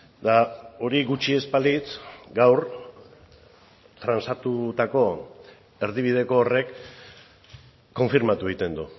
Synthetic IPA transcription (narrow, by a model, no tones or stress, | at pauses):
d̪ao̞ɾiɣut͡ʃie̞spalit̪ɡawɾ | t̪ɾansat̪ut̪ako̞ | e̞ɾðiβ̞ið̞e̞ko̞ːre̞k | o̞ɱfiɾmat̪ueit̪e̞nd̪u